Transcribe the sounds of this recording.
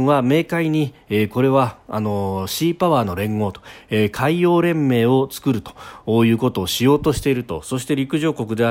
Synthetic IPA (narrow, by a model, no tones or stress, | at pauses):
βame̞ːkaiɲ̟ieko̞ɾe̞βaːno̞ɕiːpaβaːno̞ɾẽ̞ŋɡo̞ːt̪o̥ekʰaijo̞ːɾẽ̞mːe̞ːo̞t͡sɨ̥kɯ̟ɾɯ̟t̪o̥ːjɯ̟ːko̞t̪o̞ːɕijo̞ːt̪o̞ɕi̥t̪e̞iɾɯ̟t̪o̞̰so̞ɕ̬i̥t̪e̞ɾʲikɯ̟ʑo̞ːko̞kɯ̟d̪e̞a